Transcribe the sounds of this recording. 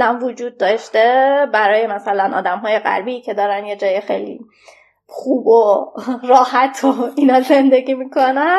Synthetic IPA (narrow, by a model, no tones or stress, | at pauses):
lænvod͡ʒuːd̪̚ːɒːʃt̪ebæɾɒːje̞mæsælænʔɒ̰ːd̪æmɦɒːje̞ɣæ̰ɾbiːcʰe̞d̪ɒːɾænje̞d͡ʒɒːjexe̞̰jlḭː | χuːboɾɒːhæt̪ʰoinɒːze̞nd̪e̞ɡʲiːmiːkʰonæ